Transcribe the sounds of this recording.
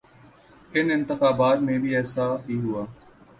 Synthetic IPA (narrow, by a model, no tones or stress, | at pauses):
ɪnɪ̃nt̪ɪxaːbaːt̪mẽbʱiːɛːsaːɦiːɦʊaː